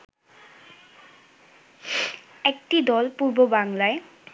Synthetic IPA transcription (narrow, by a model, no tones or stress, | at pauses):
ɛk̚ʈid̪ɔlpuɾbobaŋlae